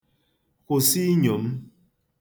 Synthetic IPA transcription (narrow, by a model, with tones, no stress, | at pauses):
ko˨si˦ɲo˨m˦